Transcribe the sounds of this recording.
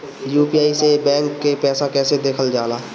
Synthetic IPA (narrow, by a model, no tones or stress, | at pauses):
juːpiaːisebɛ̃ːŋkːepɛːsakɛːsed̪eːkʰəld͡ʒaːlaː